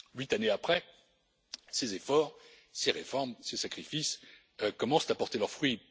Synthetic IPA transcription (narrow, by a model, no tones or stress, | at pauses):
ɥit̪aneapχɛ | sezefɔːʁ | seʁefɔʁmsesakχifis | kɔmɑ̃st̪apɔʁt̪elœʁfχɥi